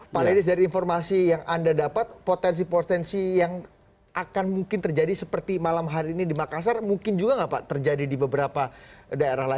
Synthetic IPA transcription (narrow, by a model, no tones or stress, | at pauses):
paledɪs̬daɾiːnfɔrmasijaŋʔandadapat̪̚pot̪ɛns̬ipɔt̪ɛnsijaŋ | ʔakanmuŋkɪnt̪ərd͡ʒadisəpərt̪imalamɦaɾiːnidimakas̬armuŋkɪnd͡ʒuɡaŋɡapat̪ərd͡ʒadidibəbəɾapadaeɾahla